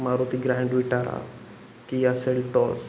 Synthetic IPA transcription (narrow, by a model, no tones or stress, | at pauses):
maɾot̪iɡɾãɳɖʋiʈaɾa̰ | kiaselʈɔs